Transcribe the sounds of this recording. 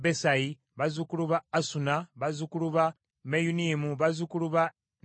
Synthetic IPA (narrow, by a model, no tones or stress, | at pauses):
besaji | βazukuluβaːsunaβazukuluβa | mejunimuβazukuluβa